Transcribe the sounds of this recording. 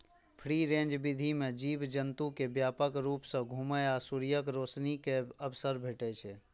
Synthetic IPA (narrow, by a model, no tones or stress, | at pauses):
pʰɾiɾẽːnd͡ʒbid̪ʱimẽd͡ʒiːbd͡ʒənt̪ukebjaːpəkɾuːpsə̃ɡʱuməjaːsuɾijəkɾoːsnikeəbsəɾbʱeʈɛt͡ʃʰɛ